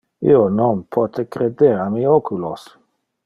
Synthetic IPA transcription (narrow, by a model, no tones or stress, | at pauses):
ḭononpʰɔt̪ʰekɾed̪eɾamiokʰulos